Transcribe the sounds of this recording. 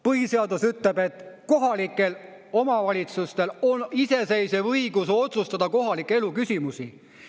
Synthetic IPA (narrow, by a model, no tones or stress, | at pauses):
pɤhise̞ɑd̪usyt̪lebe̞t̪ko̞ɦɑlikːˑe̞l | o̞mɑvɑlʲit̪sust̪e̞lo̞nise̞se̞jsevɤiɡ̥uso̞t̪sust̪ɑd̪̥ɑko̞ɦɑlikːˑee̞lukysʲimusi